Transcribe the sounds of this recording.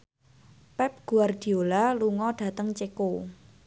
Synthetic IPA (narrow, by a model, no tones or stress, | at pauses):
pɛp̚ɡ̥ṳard̪̥i̤olaluŋɔɖ̥a̤t̪əŋt͡ʃeko